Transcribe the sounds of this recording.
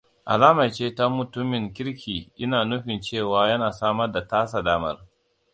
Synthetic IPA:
ʔa̰˨laː˦mɐ˨t͡ʃeː˦ta˦mʊ˨tʊ˦mːɪ˨ŋkʲɪ˦ɽkʲʰiː˨ʔɪ˦naː˨nʊ˦ɸɪ˨nt͡ʃeː˦˨waː˨jɐ˦naː˨saː˦mɐ˦rda˨taː˦s̬a˨daː˦mɐ̰˦r

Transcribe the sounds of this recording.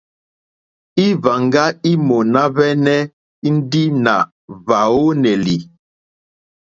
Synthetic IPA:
i˦va˨ŋɡa˦i˦mo˨na˦βɛ˦nɛ˦ | i˦n̩˦di˦na̰˨ | va˨o˦nɛ˨li˨

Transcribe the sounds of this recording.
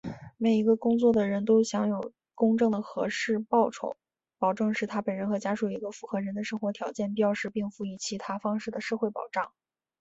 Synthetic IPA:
me˨˩ɪi˧˥ɡə˧kʊ˥ŋt͡swɔ˥˩d̪ə˩ɻə˧˥nt̪̬o˥ʊɕjɑ˧˥ŋjo˨˩ʊ | kʊ˥ŋʈ͡ʂɤ˥˩ŋd̪ə˩xɤ̰˧˥ʂɻ̩˥˧pɑ˥˩ʊʈ͡ʂʰo̰˨˩˦ʊ | pɑ˨˩ʊʈ͡ʂɤ˥˧ŋʂɻ̩˥˩t̪ʰa˥pə˨˩nɻə˧˥nxɤ˧˥t͡ɕja˥ʂu˨˩i˧˥ɡə˧fu˧˥xɤ˧˥ɻə˧˥nd̪ə˧ʂɤ˥ŋxwɔ˧˥t̪ʰjɑ˧˥ʊt͡ɕjɛ˥˩npi˥˩jɑ˥˧ʂɻ̩˥˧pi˥˧ŋfu˧˥˩i˧˥˩t͡ɕʰi˧˥t̪ʰa˥fɑ˥ŋʂɻ̩˥˩d̪ə˩ʂɤ˥˧xwe˥˩ɪpɑ˨˩ʊʈ͡ʂɑ˥˩ŋ

